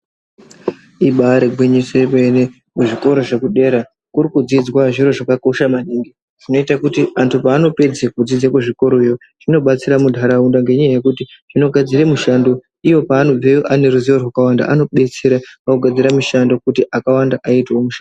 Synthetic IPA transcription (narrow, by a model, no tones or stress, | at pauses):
iɓaɾeɡʱwiɲisepene | kuʐiko̞ɾo̞ʐe̞kuɗe̞ɾa | kurikud͡zid͡zwaʐiro̞ʐakako̞ʃamaniːŋɡi | ʐ̥ino̞itakutiʔantʰupaːno̞pe̞d͡zekud͡zid͡zekuʐiko̞ɾojo̞ | ʐ̥ino̞ɓat͡siɾamudʱaɾaundaŋɡe̞ɲajaje̞kutiʐino̞ɡʱad͡ziremuʃando̞ | iwo̞paːno̞b͡vejoʔane̞ɾuziworwakawanda̰ʔano̞ɓe̞t͡seɾaakuɡʱad͡ziɾamuʃando̞kutiʔakawandaʔaitomuʃand